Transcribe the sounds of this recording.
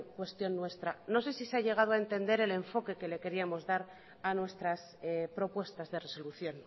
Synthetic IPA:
kwe̞st̪jo̞nːwe̞st̪ɾano̞se̞siseaʝe̞ɣ̞að̞oaent̪e̞nd̪e̞ɾe̞le̞ɱfo̞ke̞ke̞le̞ke̞ɾiamo̞zðaɾ | anwe̞st̪ɾas | pɾo̞pwe̞st̪azðe̞re̞so̞luθjo̞n

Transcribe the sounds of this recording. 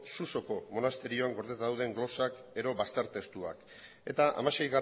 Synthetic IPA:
suso̞ko̞mo̞nast̪e̞ɾio̞aŋɡo̞ɾðet̪aðawðe̞ŋɡlo̞sake̞ɾo̞βast̪eɾt̪e̞st̪ua̰k | e̞t̪aʔa̰maʃe̞jɣar

